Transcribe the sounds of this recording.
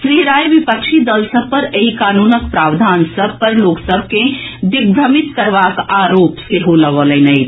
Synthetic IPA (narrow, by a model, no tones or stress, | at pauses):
sɾiɾaːjʋipəkʃid̪əlsəb̚pəɾeɦikaːnuːnəkpɾaʋd̪ʱaːnsəb̚ʱpəɾloːksəbʱked̪iɡ̚bʱɾəmit̪kəɾʋakaɾoːpseɦoləɡələnəj